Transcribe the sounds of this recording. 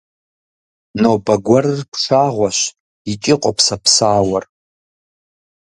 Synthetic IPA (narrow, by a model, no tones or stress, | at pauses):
nobaɡʷarɨrkʷʰʂʰaʁʷaʃʷ | it͡ʃʼɪqʷʼapʰsapʰsaːwar